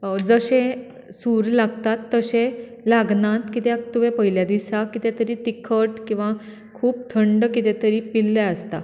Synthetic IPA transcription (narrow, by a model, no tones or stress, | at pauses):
d͡zəɕẽ | suɾlaɡt̪at̪ːəɕẽ | laɡnãt̪kit̪ɛat̪umẽpəɦiljad̪isakit̪et̪əɾiːt̪ikʰəʈkĩw̃ʋa | kʰuːp̚t̪ʰəɳɖkit̪et̪əɾiːpilːaəst̪a̰